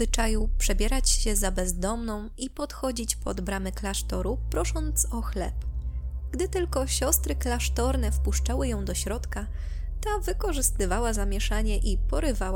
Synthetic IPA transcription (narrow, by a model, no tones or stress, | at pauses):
ɘt͡ʂajupʂɛbʲjɛɾat͡ɕɕɛzabɛzd̪ɔmnɔ̃w̃ipɔt̪xɔd͡ʑit͡ɕpɔd̪bɾamɛklaʂt̪ɔɾupɾɔʂɔnt̪sɔxlɛ̰pɡ̥d̪ɘt̪ɘlkɔɕɔst̪ɾɘklaʂt̪ɔɾnɛfpuʂt͡ʂawɘjɔ̃w̃d̪ɔɕɾɔt̪ka | t̪avɘkɔʐɘst̪ɘvawazamʲjɛʂaɲɛʔipɔɾɘvawa